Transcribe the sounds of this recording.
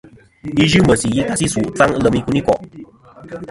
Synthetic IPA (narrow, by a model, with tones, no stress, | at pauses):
i˦ʒu˦mə˨si˨ji˦ka˧si˦su˨t͡sa˦ŋ˦˧lə˧mi˧ku˦ni˦kɔ̰˨ʔ